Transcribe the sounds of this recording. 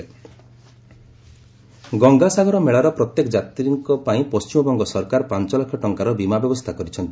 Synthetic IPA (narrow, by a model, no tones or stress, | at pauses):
e | ɡɔŋɡasaɡʱɔɾɔmeɭaɾɔpɾɔt̪jekɔd͡ʒat̪ɾiŋkɔpaĩpɔst͡ʃimɔbɔŋɡɔsɔɾkaɾpant͡ʃɔlakʰɔʈɔŋkaɾɔbimabjɔbɔst̪ʰakɔɾit͡ʃʰɔnt̪i